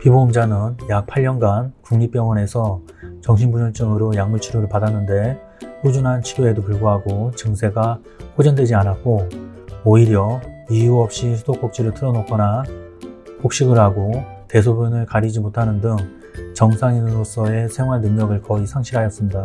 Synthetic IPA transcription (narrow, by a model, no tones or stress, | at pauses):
piboumd͡ʑanɯnjak̚pʰaʎːʌnɡankuŋɲip͈jʌŋwʌne̞sʰʌ | t͡ɕʌŋɕʰinbuɲʌɭt͡ɕ͈ɯŋɯɾojaŋmuɭt͡ɕʰuɾoɾɯɭpadanːɯnde̞ | ɸud͡ʑunɦant͡ɕʰiɡoe̞dopɯɭɡoɦaɡot͡ɕɯŋsʰe̞ɡa | ɸod͡ʑʌndwe̞d͡ʑianak̚k͈ooiɾjʌijuʌp̚ɕ͈isʰudok͈ok̚t͡ɕ͈iɾɯɭtʰɯɾʌnok͈ʌna | pok̚ɕ͈iɡɯɭɦaɡo | te̞s̬ʰobjunɯɭkaɾid͡ʑimotʰanɯndɯŋ | t͡ɕʌŋsʰaŋinɯɾos͈ʌe̞sʰeŋwaɭnɯŋɲʌɡɯɭkʌisʰaŋɕʰiɾɦajʌs͈ɯmɲida